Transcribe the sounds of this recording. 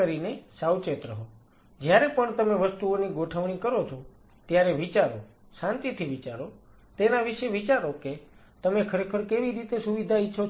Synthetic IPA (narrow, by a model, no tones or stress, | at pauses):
əɾinesawt͡ʃet̪ɾəɦo | d͡ʒjaɾepəɳt̪əmeʋəst̪uoniɡoʈʰəʋɽ̃ikəɾot͡ʃʰo | t̪jaɾeʋit͡ʃaɾo | sãnt̪it̪ʰiʋit͡ʃaɾo | t̪enaʋiʃeʋit͡ʃaɾoke | t̪əmekʰəɾekʰəɾkeʋiɾit̪esuʋid̪ʱaitːʃʰo